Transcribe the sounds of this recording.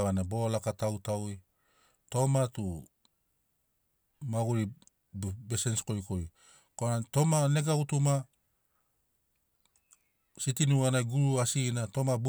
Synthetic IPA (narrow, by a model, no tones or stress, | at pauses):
βanabo̞lakatawtawi | to̞matu | maɡuɾi | besensko̞jkoj | konato̞maneɡautuma | sitinuanaɡuɾuasinatomabu